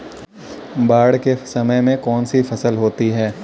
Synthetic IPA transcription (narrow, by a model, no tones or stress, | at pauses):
baːɽkesɐməjmẽkɔːnsifɐsəlɦoːt̪iɦɛː